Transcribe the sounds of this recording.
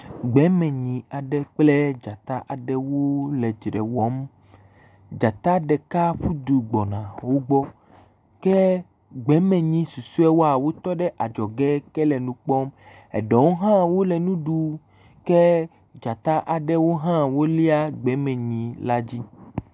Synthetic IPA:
ɡ͡bɛ˨˦mẽ˨ɲĩ˨a˨ɖɛ˦k͡ple˦d͡ʒa˨t̪a˦ʔa˨ɖɛ˦wo˦le˨d͡ʒɖḛ˨wɔ˦m | d͡ʒa˨t̪a˦ɖɛ˨ka˦ɸu˦d̪u˨ɡ͡bɔ˨nã˨wo˦ɡ͡bɔ˦ | ke˦ | ɡ͡bɛ˨˦mɛ̃˨ɲĩ˦su˨su˦ɛ˦wo˦a˨wo˦t̪ɔ˦ɖɛ˦ʔa˨d͡ʒɔ˨ɡɛ˦kɛ˦lɛ˨nũ˨˦k͡pɔ˦m | ɛ̰˨ɖɔ˨wo˦ɦã˦wo˦lɛ˨nũ˦ɖu˨ | ke˦ | d͡ʒa˨t̪a˦ʔa˨ɖe˦wo˦ɦã˦wo˦li˦a˦ɡ͡bɛ˨˦mɛ̃˨ɲĩ˨la˦d͡ʑi˦

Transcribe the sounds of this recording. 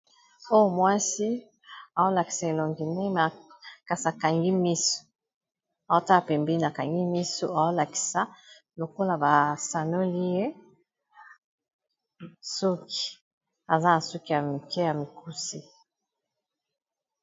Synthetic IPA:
o˦o˦mwa˦si˦ | a˨o˦la˨ki̥˨sa˨e˨lo˨ŋɡi˨ne˦ma˨ka˨sa˨ka˨ŋɡi˦mi˦so̥˨ | a˨o˦ta˦a˨pɛ˨mbi˦i˦na˨ka˨ŋɡi˦mi˦so˨a˨o˦la˨ki̥˨sa˨ | lo˨ko˦la˨ba˨sa˨no˦li˦je˦ | su˦ki̥˨ | a˨za˦na˨su˦ki˨ja˨mi˨kɛ˦ja˨mi˨ku˦si˦

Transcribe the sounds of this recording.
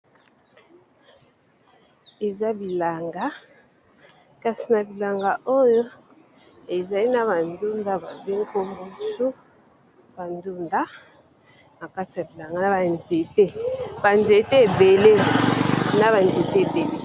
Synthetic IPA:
e˨za˦bi˨la˨ŋɡa˦ | ka˨si˨na˨bi˨la˨ŋɡa˨ʔo˦jo˦ | e˨za˨li˦na˨ba˨ndu˦nda˦ba˨be˦ŋ˦ko˦mbo˦su˦ | ba˨ndu˦nda˦ | ma˨ka˦ti˨ja˨bi˨la˨ŋɡa˦na˨ba˨nze˨te˦ba˨nze˨te˦e˨be˨le˦ | na˦ba˨nze˨te˦e˨be˨le˦

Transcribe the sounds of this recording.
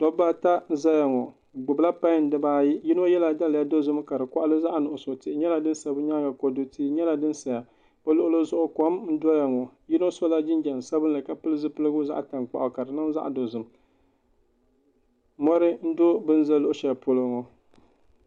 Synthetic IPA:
tɔ˦bːa˦ta˦n̩˦za˦ja˨ŋɔ˨ | ɡ͡bʊ˨bla˦pa˦n̩˦dɨ˦baː˦ji˦ji˦no˦jɛ˦la˨da˦lja˦do˦zɨ˦m˦ka˨dɨ˨kɔ˦ʔa˦lɨ˦za˦ʔa˨nʊ˨ʔʊ˨so˨tɪ˦ɲɛ˦la˨dɨ˦n̩˦sa˨bɨ˦ɲa˦ɡa˨kɔ˨˦dʊ˦ti˦ɲɛ˦la˨dɨ˦n˦sa˨ja˨ | b̥a˦lʊ˦ʔʊ˦lɨ˦zʊ˦ʔʊ˦kɔ˦mn̩˦dɔ˦ja˨ŋɔ˨jɪ˦no˦so˦la˦d͡ʒɪ˦nd͡ʒa˨n˨sa˦bɨ˦nlɨ˨ka˨pɨ˦lɨ˦zɨ˦pɨ˦lɨ˦ɡʊ˦za̰˦ʔta˨ŋk͡pa̰˨ʔʊ˨ka˨dɨ˨nɨ˦za˦ʔdo˨zɨ˨m | mɔ˦ɾɨ˦n̩˦do˦bɨ˦n˦za˦lːʊ˦ʔʊ˦ʃɛ˨pʊ˦lɨ˦ŋɔ˨

